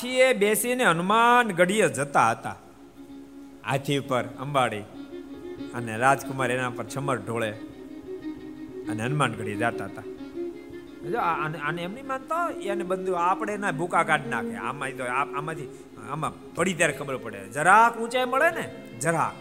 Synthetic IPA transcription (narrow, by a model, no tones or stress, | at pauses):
pt͡ʃʰiebesineənmanɡəɽijəd͡ʒət̪aɦət̪a̰ | a̰t̪ʰipəɾə̰mʋaɽi | əneɾad͡ʒkʊmaɾenãpəɾt͡ʃʰəməɾɖʱoɭe | əneənmanɡəɽijəd͡ʒat̪aɦət̪a | d͡ʒoaənənemnimant̪oeənebənd̪ʱuapɽ̃enabʱukakaɖnakʰḛa̰mait̪oaamãt̪ʰi | a̰ma | pəɽit̪̬jaɾekʰəbəɾpəɽḛd͡ʒəɾaũt͡ʃaeməɭene | d͡ʒəɾa̰